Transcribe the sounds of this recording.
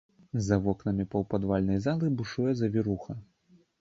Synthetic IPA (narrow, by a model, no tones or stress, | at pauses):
zɐvɔknɐmʲipɐwpad̪valʲnɐjzalˠɨbuʂujɛzɐvʲiɾuxɐ